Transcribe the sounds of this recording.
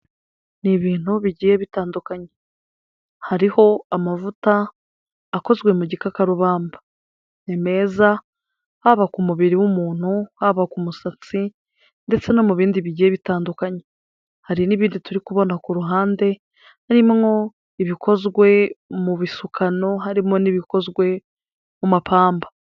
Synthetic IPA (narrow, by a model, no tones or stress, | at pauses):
niβiːn̥huβiɟiːje̞βitaːndukaɲe | haɾiho̞amavutaː | ko̞zɡwe̞muɟikakaɾuβaːmbḁ | neme̞ːza | haβakumuβiɾiwumuːn̥huhaβakumusat͡si | nde̞t͡se̞no̞muβiːndiβiɟieβitaːndukaɲe | haɾiniβiːndituɾikuβo̞nakuɾuɦaːnde̞ | haɾimŋo̞ | iβiko̞zɡwe̞muβisukʰano̞ɦaɾimo̞niβiko̞zɡwe̞ | mumapʰaːmba